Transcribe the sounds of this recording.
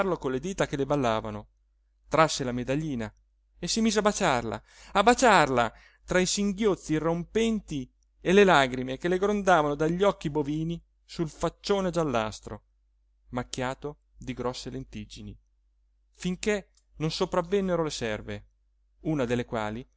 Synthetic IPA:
rlokonled̪iːt̪akelebalːaːvano | t̪ɾasːelamed̪aʎːiːna | esimiːzeabat͡ʃarla̰ | abat͡ʃarla | t̪ɾaisiŋɡjot̪sːirːompɛnt̪i | elelaɡɾimekeleɡɾond̪aːvanod̪aʎːɔkːiboviːni | sulfat͡ʃːoːned͡ʒalːa̰st̪ɾo̰ | mak̟ːjaːt̪o | d̪iɡɾɔsːelent̪id͡ʒini | fiŋke | nonsopɾavːenːeɾolesɛrve | uːnad̪elːekwa̰ːli

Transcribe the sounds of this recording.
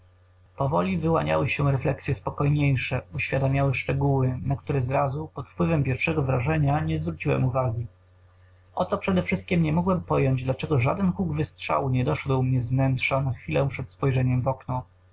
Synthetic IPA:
pɔvɔlʲivɘwaɲa̰wɘɕɛɾɛflɛksʲjɛspɔkɔjɲejʂɛuɕfʲjad̪amʲjawɘʂt͡ʂɛɡuwɘnak̚t̪uɾɛzɾazupɔt̪fpwɘvɛmpʲjɛɾfʂɛɡɔvɾaʐɛɲaɲɛzvɾut͡ɕiwɛ̰muvaɡʲi | ʔɔt̪ɔpʂɛd̪ɛfʂɘst̪̚kʲimɲɛmɔɡwɛmpɔjɔɲd͡ʑd̪lat͡ʂɛɡɔʐa̰d̪ɛnkuɡvɘstʂa̰wuɲɛd̪ɔʂɛd̪wmɲɛzvnɛntʂanaxfʲilɛ̃w̃pʂɛt̪spɔjʐɛɲɛmvɔknɔ

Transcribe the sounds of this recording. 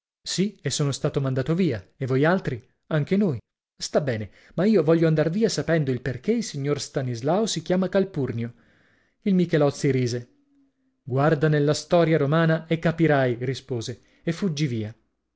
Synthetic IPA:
siesːoːnost̪aːt̪omand̪aːt̪oviːaevojalt̪ɾi | aŋk̟enoːj | st̪abːɛːne | maiːovɔʎːoand̪arviːasapɛnd̪oilperkeilsiɲːorst̪anizlaosikjaːmakalpurnjo | ilmikelɔt̪sːiɾiːze | ɡward̪anelːast̪ɔːɾjaɾomaːnaekːapiɾajrispoːze | efːud͡ʒːiviːa

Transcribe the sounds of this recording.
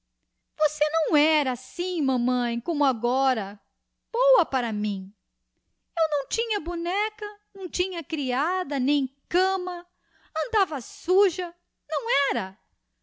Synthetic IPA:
vosenɐ̃w̃ɛɾɐːsĩmɐ̃mɐ̃j̃kõmʊaɡɔɾɐ | b̥owɐpaɾɐmĩ | ewnɐ̃w̃t͡ʃĩɲɐbunɛkɐnɐ̃w̃t͡ʃĩɲɐkɾiad̪ɐnẽj̃kɐ̃mɐ | ɐ̃nd̪avɐsuʒɐ | nɐ̃w̃ɛɾɐ

